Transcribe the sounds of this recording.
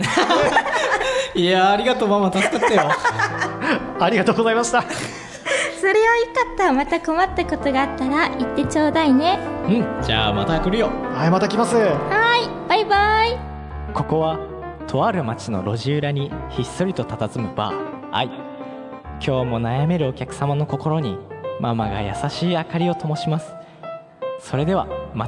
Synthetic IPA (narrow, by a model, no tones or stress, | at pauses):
iaːɾʲiɡat̪omamat̪askaːajo | aɾʲiɡat̪oːɡo̞zaimaɕi̥t̪a | so̞ɾe̞βajokat̪ːamat̪ako̞mat̪ːako̞t̪o̞ɡaːt̪ːaɾait̪ːe̞t͡ɕoːd̪aine̞ɯ̟̃d͡ʑa̰ːma̰t̪akɯɾɯjo̞hajmat̪akʲimasɨhaib̥aibai | ko̞ko̞βa | t̪ʰo̞aɾɯ̟mat͡ɕino̞̰ɾo̞ʑiɯɾaɲ̟içisːo̞ɾʲit̪o̞t̪at̪at͡sɨmɯ̟ba̰ːa̰i | kʲʰo̞ːmo̞najame̞ɾɯ̟o̞kʲakɯ̟̥samano̞ko̞ko̞ɾo̞ɲ̟imamaɡa̰ja̰saɕiːakaɾʲio̞t̪o̞mo̞ɕimasɨ̥ | so̞ɾe̞d̪e̞a̰ma